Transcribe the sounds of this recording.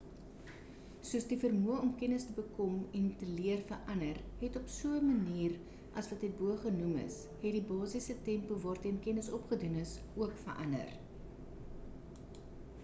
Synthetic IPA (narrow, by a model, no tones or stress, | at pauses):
suəsdifərmuəɔmkɛnəstəbəkɔmɛntəliərfərʔɐnərɦɛtɔpsuəmɐniːr | ʔɐsvɐtɦɛt̚buəχənumə̰s | ɦɛtdibɑːsisətɛmpuvɑːrtɛnkɛnəsɔpχədunəs | uəkfə̰rʔɐ̰ndə̰r